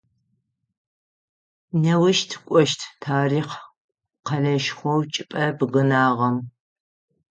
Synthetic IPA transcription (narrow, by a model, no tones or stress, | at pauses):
nɐwɪʃtʰkʷʼɔʃtʰtʰaːriːq | qɐɮɐʃχʷɔwt͡ʃʼɪpʼɐbɨɣɨnaːʁɐm